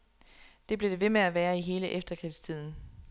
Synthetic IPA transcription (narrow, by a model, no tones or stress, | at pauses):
d̥e̝b̥le̝d̥e̝ʋe̝meæʋæːɐiɦe̝ːləʔefd̥ɐkʰʁi̥st͡sʰið̞̰ˠn̩